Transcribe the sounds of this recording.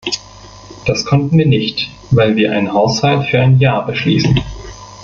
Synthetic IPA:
d̥askʰɔntn̩viːɐnɪçt | vaɪlviːɐʔa̰ɪnənhaʊshaltfyːɐʔaɪnjaːɐbəʃlḭːsn̩

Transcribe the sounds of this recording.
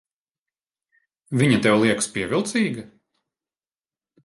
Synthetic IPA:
vʲiɲɐt̪ɛwlˠiɛkspiɛvʲilˠt̪siːɡɐ

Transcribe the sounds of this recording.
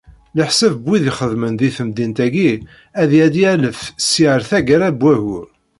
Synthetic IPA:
ləħsəvbwiðiχəðmənðiθəmd̪int̪æɡi | æðjæd̪iæləfsiʕəɾθæɡæɾæbwæɣʊɾ

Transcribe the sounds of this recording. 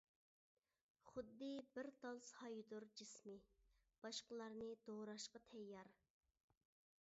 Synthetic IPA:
χʊd̪ːɨbɪɾd̪ɑlˠshɑjd̪ʊɾd͡ʒɪsmi | b̥ɑʃqəlˠɑɾnɨd̪oʁɾɑʃqɑt̪ʰɛjːɑɾ

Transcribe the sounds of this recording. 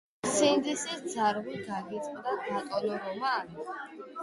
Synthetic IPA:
sind̪isisd̪zaɾʁiɡaɡit̪sʼqʼd̪aɡ̪at̪ʼɔlɔɾɔma

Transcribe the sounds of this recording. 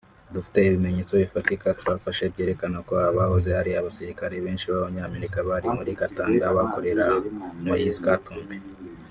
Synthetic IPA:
dufi̥te̞iβime̞ɲeːt͡so̞βifatikatuβafaʃe̞bje̞ːɾe̞kanakoaaβahoze̞haɾiaβasiɾikaɾe̞βe̞ːnʃiβaβaɲaːmeɾikaβaɾimuɾikataːŋɡaβako̞ɾe̞ɾamwajizikatuːmbi

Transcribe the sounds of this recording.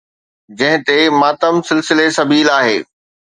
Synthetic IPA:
d͡ʑɐ̃ɦɪ̃t̪emaːt̪əmsɪlsɪlesɐbiːlaːɦeː

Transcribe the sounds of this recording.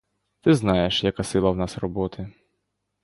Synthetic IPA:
t̪ɪznɑjeʃjɐkasɪlˠɐwnɑsrɔbɔt̪ʰɪ

